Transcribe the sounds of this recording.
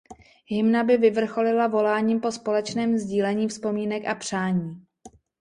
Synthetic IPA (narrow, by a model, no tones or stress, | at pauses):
ɦɪmnabɪvɪvr̩xo̞lɪlavo̞laːɲiːmpo̞spo̞lɛt͡ʃnɛːmzɟiːlɛɲiːfspo̞miːnɛkapr̝̥aːɲiː